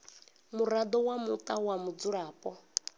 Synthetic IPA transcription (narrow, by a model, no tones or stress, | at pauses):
muɾad̪ɔwamut̪ʼawamud͡zuɺaːpʼɔ